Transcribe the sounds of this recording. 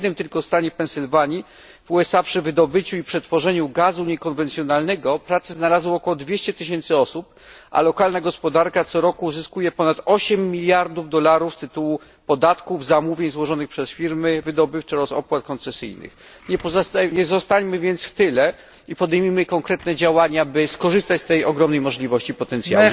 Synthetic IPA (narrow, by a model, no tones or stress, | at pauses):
ɛd̪nɘmt̪ɘlkɔst̪aɲɛpɛnsɘlvaɲi | vuɛsapʂɘvɘd̪ɔbɘt͡ɕuipʂɛt̪fɔʐɛɲuɡazuɲɛkɔnvɛnt̪sʲjɔnalnɛɡɔpɾat̪sɛznalazwɔkɔwɔd̪vʲjeɕt͡ɕɛt̪ɘɕɛnt̪sɘɔsup̚ | ʔa̰lɔkalnaɡɔspɔd̪aɾkat̪sɔɾɔkuzɘskujɛpɔnat̪ɔɕɛmːʲilʲjaɾd̪uvd̪ɔlaɾufst̪ɘt̪uwu | pɔd̪at̪kuvzamuvʲjeɲzwɔʐɔnɘxpʂɛsfʲiɾmɘvɘd̪ɔbɘft͡ʂɛɾɔsɔ̰pwat̪̚kɔnt̪sɛsɘ̰jnɘ̰xɲɛpɔɲɛzɔst̪aɲmɘvʲjɛnt̪sft̪ɘlɛ | ipɔd̪ɛjmʲimɘkɔŋkɾɛt̪nɛd͡ʑawaɲabɘskɔʐɘst̪at͡ɕst̪ɛjɔɡɾɔmnɛjmɔʐlʲivɔɕt͡ɕipɔt̪ɛnt̪sja̰i